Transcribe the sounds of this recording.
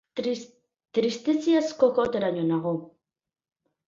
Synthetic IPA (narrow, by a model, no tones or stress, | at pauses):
t̪ɾist̪esiaskokot̪eɾaɲonaɣo